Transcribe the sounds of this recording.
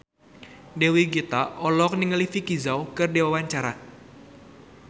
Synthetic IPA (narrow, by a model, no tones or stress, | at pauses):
dewiɡit̪aʔɔlɔk̚niŋəlifikizawkɨrdewawaɲt͡ʃaɾa